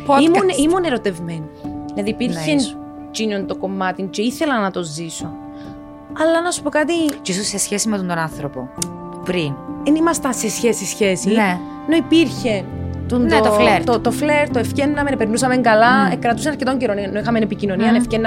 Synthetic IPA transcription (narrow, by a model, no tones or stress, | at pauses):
poimunimuneɾot̪e̞vmenɐðipiɾçen | t͡ʃinont̪oko̞mːɐt̪int͡ʃeiθe̞lɐnːɐt̪o̞ziso̞ | ɐlːɐnɐsu̥po̞kɐt̪iceisosːesçesimet̪ont̪onɐnθɾopo̰ | upɾinðenimɐst̪ɐnsesçesisçe̞sine | noipiɾçe̞nt̪unneot̪ofleɾt̪ot̪ofleɾt̪oefcenːɐmenpeɾnus̬ɐme̞ŋɡɐlɐekɾɐt̪us̬enɐɾcet̪o̞ɲɟeɾonnːoixɐmenepicino̞niɐnefcenːɐ